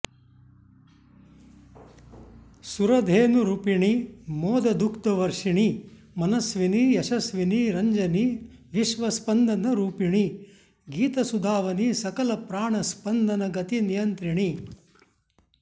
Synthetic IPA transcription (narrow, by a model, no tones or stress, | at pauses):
suɾɐd̪ʱeːnuɾupiɳimɔːd̪ɐd̪ukt̪ɐʋɐɾʂiɳi | mɐnɐsʋinijɐʂɐsʋiniɾɐɲd͡ʒɐni | ʋiʃʋɐspɐnd̪ɐnɐɾuːpiɳi | ɡiːt̪ɐsud̪ʱaːʋɐnisɐkɐlɐpɾaːɳɐspɐnd̪ɐnɐɡɐt̪inijɐnt̪ɾiɳi